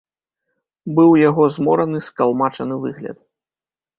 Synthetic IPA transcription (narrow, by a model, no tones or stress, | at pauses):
bɨwjaɣɔzmɔɾɐnɨskalˠmat͡ʂɐnɨvɨ̰ɣlʲɐ̰t̪